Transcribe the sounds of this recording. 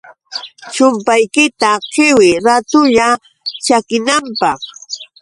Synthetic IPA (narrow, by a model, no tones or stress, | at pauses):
t͡ʃʊmpajkɪt̪aqɪwɪɾat̪ʊʎa | t͡ʃakɪnampɑχ